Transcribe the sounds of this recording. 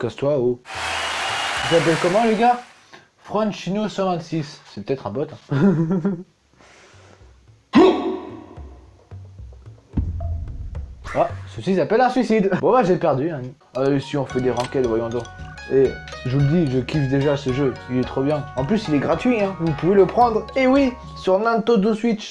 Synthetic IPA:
kast̪wau | izap̬ɛlkɔmɑ̃leɡa | fχɔ̃nʃinosɑ̃vɛ̃t̪sissɛpə̥t̪ɛt̪χɛ̃bɔt̪ɛ̃ | asəsisapɛlɛ̃sɥisid̪vwalaʒepɛʁd̪yɛ̃n | alesiɔ̃fɛd̪eʁɑ̃kɛt̪vwajɔ̃d̪ɔ̃ | eʒuləd̪iʒəkʰʲit̪d̪eʒasəʒøilɛt̪χobjɛ̃ɑ̃plysilɛɡʁat̪ɥiɛ̃vupuveləpχɑ̃d̪ʁewi | syʁnɛ̃t̪od̪osɥitt͡ʃ

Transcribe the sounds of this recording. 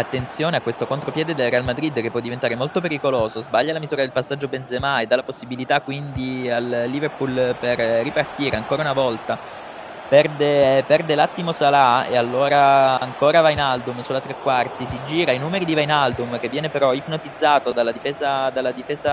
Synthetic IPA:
at̪ːent̪sjoːneakːwest̪okont̪ɾopjɛːd̪ed̪elrealmad̪ɾid̪ːkepːɔd̪ːivent̪aːɾemolt̪opeɾikoloːzozbaʎːalamizuːɾad̪elpasːad͡ʒːobenzemajd̪alaposːibilit̪akːwind̪ialːiːverpulperːipart̪iːɾeaŋkoːɾaunavɔlt̪a | pɛrd̪epɛrd̪elat̪ːimosalaḛalːoːɾaaŋkoːɾavainalbumsulat̪ɾekːwart̪isid͡ʒiːɾainuːmeɾid̪ivajnalbumk̟evːjɛːnepeɾɔipnot̪id̪zːaːt̪od̪alːad̪ifeːzad̪alːad̪ifeːza

